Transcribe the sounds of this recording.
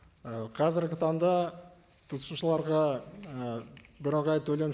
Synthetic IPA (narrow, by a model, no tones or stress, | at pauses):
əqʰɑzɪɾɡʲɪt̪ʰɑnd̪ɑ | t̪ʰʊt̪ʰə̥suʃəlˠɑɾʁɑ | bɪɾəʁɑjt̪ʰɵle̞n